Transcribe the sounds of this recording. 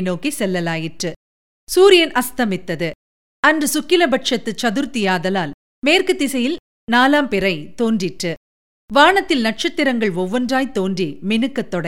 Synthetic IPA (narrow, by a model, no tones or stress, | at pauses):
noːkisɛlːɐlaːjɪʈrɯ | suːɾɪjɐnʔɐst̪ɐmɪt̪ːɐðɯ | ɐndrɯsʊkːɪlɐbɐʈʂɐt̪ːɯt͡ʃːɐðɯɾt̪ɪjaːðɐlaːl | meːrkɯt̪ːɪsɐjɪl | naːlaːmpɛrɐɪt̪oːndrɪʈrɯ | ʋaːɳɐt̪ːɪlnɐʈ̚t͡ʃɐt̪ːɪɾɐŋɡɐɭʋɔʋːɐndraːjt̪oːnrimɛnɯkːɐt̪ːɔɽɐ